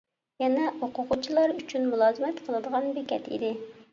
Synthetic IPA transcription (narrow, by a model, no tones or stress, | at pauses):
jɛnɛoqʊqʊt͡ʃʰilˠɑɾyt͡ʃʰynmulˠɑːzɨmɛt̪qʰəlˠɨd̪əʁɑnbekʲɛ̰t̪ḭd̪ɪ